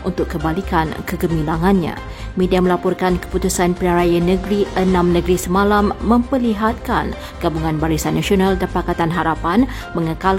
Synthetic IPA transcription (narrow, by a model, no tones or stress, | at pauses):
ʔunt̪ʊkːəmbalikankəɡəmĩlaŋãnɲã̰ | mẽdiamə̃lapɔrkankə̥put̪usanpənaɾajanə̃ɡɾiʔənãmnə̃ɡɾisəmãlamːə̃mpəliɦat̪̚kan | ɡ̥abuŋãnbaɾisanːasionãldanpakat̪anɦaɾapan | mə̃ŋəkal